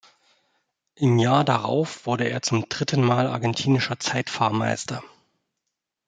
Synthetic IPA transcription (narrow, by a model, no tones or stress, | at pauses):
ʔɪmjaːɐdaʁa̰ʊfv̥ʊɐɾəeːɐt͡sʊmd̥ʁɪtʰən̩maːla̰ɐɡɛntʰiːnɪʃɐt͡saɪtfaɐma̰ɪstʰɐ